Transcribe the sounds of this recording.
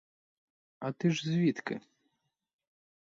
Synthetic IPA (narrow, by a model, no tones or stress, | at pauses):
ɐt̪ɨʐzʲvʲit̪kɨ̰